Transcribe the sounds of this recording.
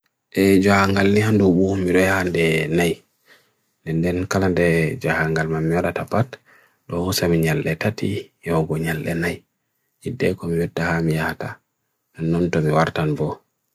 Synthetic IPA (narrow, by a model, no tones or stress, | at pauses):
ʔɛd͡ʒahaŋɡalnihandɔbumiɗɔjahandɛnaj | ndɛndɛnkalandɛd͡ʒahaŋɡalmamːiwaɗatapat | ɗɔhusamiɲalːɛtatijɔɡɔɲalːɛnaj | idɛkɔmijɔtːahamijahata | ʔɛnːɔntɔmiwaɾtanbɔ